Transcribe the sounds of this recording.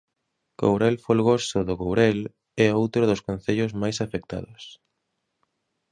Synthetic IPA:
ko̰wɾɛlfolɣosʊðoɣowɾɛl | ɛowt̪ɾʊðʊskon̟θeʎʊzmajsafek̚t̪a̰ðʊs

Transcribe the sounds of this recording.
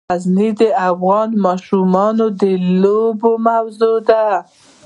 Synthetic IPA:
aznid̪əafɣɑnmɑʃumɑnod̪əlobomawzod̪a

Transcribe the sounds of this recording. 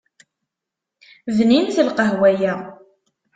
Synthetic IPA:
vninθəlqəɦwæjæ

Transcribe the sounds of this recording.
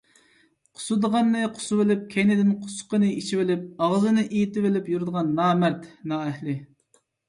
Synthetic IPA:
qʰʊ̥sud̪əʁɑnːɨqʰʊ̥suwɪlɪp̚kʲʰenɪd̪ɪnqʰʊ̥sqənɨit͡ʃʰivɪlɪp̚ɑʁzɨnɨʔijit̪ɪvɪlɪpjuɾd̪əʁɑnːɑːmæɾt̪nɑːɛhlɪ

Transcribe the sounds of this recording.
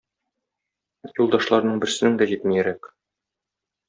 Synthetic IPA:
julˠd̪ɑʃlˠɑɾnɤɴbɘ̆ɾsɘ̆nɘŋd̪æʑit̪mɘjæɾæk

